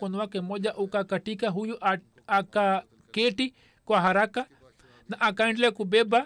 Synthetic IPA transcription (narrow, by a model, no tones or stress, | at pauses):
konuwakemod͡ʒaʔokakaʈikaɦujuʔa | aka | keʈi | kwaɦaɾaka | naʔakaĩɳlekubeba